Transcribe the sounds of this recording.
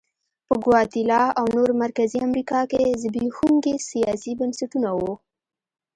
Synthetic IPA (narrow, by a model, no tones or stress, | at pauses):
pəɡwɑt̪ilɑawnoɾmaɾkaziamɾikɑkezəbixuŋɡesijɑsibənsaʈunawo